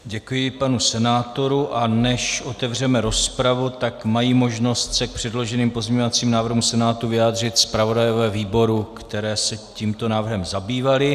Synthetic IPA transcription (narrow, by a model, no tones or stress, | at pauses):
ɟɛkujɪpanusɛnaːt̪o̞ɾuʔanɛʃʔo̞t̪ɛvr̝ɛmɛɾo̞spɾavut̪akmajiːmo̞ʒno̞st̪sɛk̚pr̝̥ɛdlo̞ʒɛniːmpozɲeɲo̞vat͡siːmnaːvr̩ɦumsɛnaːt̪uvɪjaːd̪r̝ɪt̪spɾavo̞dajo̞vɛːviːbo̞ɾukt̪ɛɾɛːsɛciːmt̪o̞naːvr̩ɦɛmzabiːvalɪ